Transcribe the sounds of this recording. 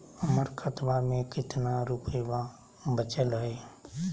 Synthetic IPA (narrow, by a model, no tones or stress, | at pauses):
əməɾkʰət̪ʋamẽkɪt̪naɾupəʋa | bət͡ʃəlɦɛe